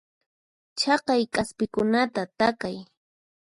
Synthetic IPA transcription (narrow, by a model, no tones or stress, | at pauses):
t͡ʃɑqɑjkʼaspɪkʊnat̪at̪akaj